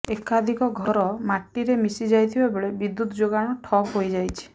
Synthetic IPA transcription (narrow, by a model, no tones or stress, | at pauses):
ekad̪ʱikɔɡʱɔɾɔmaʈːiɾemisid͡ʒajt̪ʰibabeɭebid̪ːut̪ɔd͡ʒoɡaɽ̃ɔʈʰɔojd͡ʒajt͡ʃʰi̥